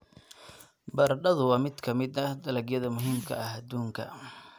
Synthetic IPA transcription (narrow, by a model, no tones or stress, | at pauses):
bɐrɖɐðʊwɑːmɪd̪kʰɐmɪd̪ɐd̪ɐlɐɡjɐðɐmʊɦiːmkʰɐ̰ɐɦɐd̪uːŋkʰɐ̰